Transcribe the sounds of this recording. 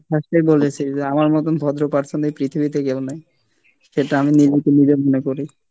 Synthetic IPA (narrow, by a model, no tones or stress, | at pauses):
ʃʰaʃʈebolet͡ɕʰid͡ʑeamaɾmɔt̪onbʱɔd̪ɾopaɾt͡ɕʰonejpɾit̪ʰibit̪eɡɛlonaj | ʃeʈaaminilmit̪enibemonekoɾej